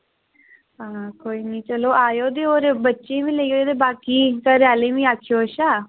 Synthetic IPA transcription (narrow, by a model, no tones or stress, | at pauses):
aːkoːiːniːt͡ʃəloːʔaːjoːd̪eːoːɾbətːʃeːʋĩːleːɡoːd̪eːbaːkiːkəɾjaːleːʋĩːaːkʰjoːəʃaː